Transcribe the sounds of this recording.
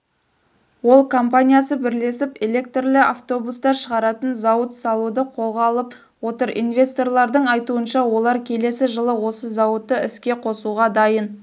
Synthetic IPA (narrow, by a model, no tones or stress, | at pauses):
wo̞lˠkʰompanʲijasəbɪɾle̞sɪpe̞lʲe̞k̚t̪rlɪaft̪o̞bust̪ɑɾʃəʁɑɾɑt̪ənzɑwət̪sɑlˠud̪əqʰo̞lˠʁɑːlˠəp | wo̞t̪əɾḭnvʲe̞st̪o̞rlˠɑɾd̪əɴɑjt̪uənʃɑwo̞lˠɑɾkʲʰe̞le̞sɪʒəlˠəwo̞səzɑwət̪ːəɪskʲe̞qʰo̞suʁɑd̪ɑjən